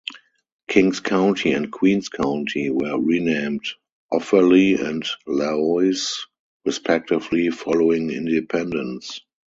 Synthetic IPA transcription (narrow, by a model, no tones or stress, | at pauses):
kʰɪ̃ŋskʰãʊ̃ntʰiɛ̃nt̚kʰwĩːnskʰãʊ̃ntʰiwɜ˞ɹinẽɪ̃md | ʔɔfəliɛ̃ntlaɔɪs | ɹispʰɛk̚tɪvlifɔloɪ̃ŋɪ̰̃ndɪpʰɛ̃ndə̃ns